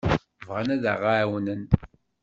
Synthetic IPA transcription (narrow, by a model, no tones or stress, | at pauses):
vʁanæðə̰ʁawnən